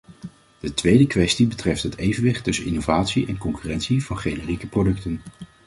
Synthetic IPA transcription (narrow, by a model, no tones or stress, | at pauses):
d̥ətʋejdəkʋɛstibətrɛftɦətejvənʋɪχtɵsənɪnovaːtsiʔɛnkɔŋkyrɛntsiv̥ɑnχejnərikəprodɵktən